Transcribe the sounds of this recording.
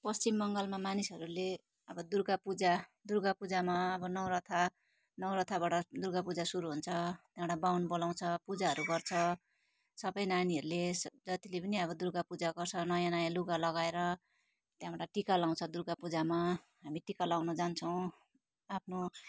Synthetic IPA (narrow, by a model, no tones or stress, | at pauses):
pʌst͡simːʌŋɡʌlmamanisʌɾule | ʌbʌd̪urɡapud͡zad̪urɡapud͡zamaʌbʌnʌwɾʌt̪ʰa | nʌwɾʌt̪ʰabaʈʌd̪urɡapud͡zasuɾuɦunt͡sʰʌt̪jãʈabawnbolaw̃t͡sʰʌpud͡zaɦʌɾuɡʌrt͡sʰʌ | sʌbʌjnaniɦʌɾulesd͡zʌt̪ilepʌniʌβʌd̪urɡapud͡zaɡʌrt͡sʰʌnʌjãnajãluɡalʌɡaeɾʌ | t̪jãbaʈaʈikalaw̃t͡sʰʌd̪urɡapud͡zama | ɦamiʈikalawnʌd͡zant͡sʰʌw̃ | apʰno